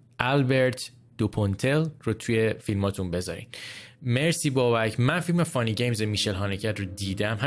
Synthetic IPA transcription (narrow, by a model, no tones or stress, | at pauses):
ʔælbe̞ɾt̪ʰ | d̪̥opʰont̪ʰelrot̪ʰujefilmɒːt̪ʰunbe̞zɒ̰ːɾḭnmeɾsiːbɒːbæcʰmænfilmefɒniɟejmzemiʃe̞lɦɒːnecʰæd̪rod̪iːd̪æmɦæ